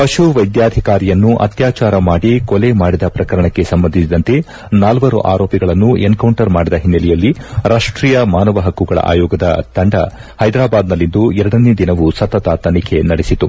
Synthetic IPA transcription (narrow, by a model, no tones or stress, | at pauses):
pɐʃuʋɐjd̪jaːd̪ʱikaːɾijɐnːuʔɐ̰t̪jaːt͡ʃaːɾɐmaːɽikɔlemaːɽid̪ɐpɾɐkɐɾɐɳɐkːe̞sɐmbɐnd̪ʱisid̪ɐnt̪e̞ | naːlʋɐɾṵʔa̰ːɾoːpiɡɐɭɐnːueŋkɐwɳʈɐɾmaːɽid̪ɐɦinːɐlɛjɐlːiɾʔaːʂʈɾiːjɐmaːnɐʋɐɦɐkːuɡɐɭɐ̰ʔa̰ːjɔːɡɐd̪ɐt̪ɐɳɖɐ̰ | hɐjd̪ɾaːbaːd̪nɐlːind̪uɛɾɐɽɐne̞ːd̪inɐʋusɐt̪ːɐt̪ɐt̪ɐnikʰe̞nɐɽesit̪u